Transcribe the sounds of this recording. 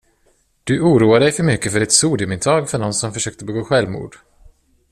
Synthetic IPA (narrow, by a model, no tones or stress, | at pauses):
d̪̥ɵuːɾuːad̪əd̪ɛjfœɾmʏkːəfœɖɪt̪suːd̪ɪəmɪnt̪ʰɑːɡfœɳɔnsɔmfœʂøːk̚t̪əbɛɡoːɧɛlvmṵːɖ̥